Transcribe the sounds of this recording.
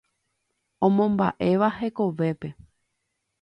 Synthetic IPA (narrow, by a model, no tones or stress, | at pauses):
õ̞mõmba̰ʔe̞ʋahe̞ko̞ʋe̞pe̞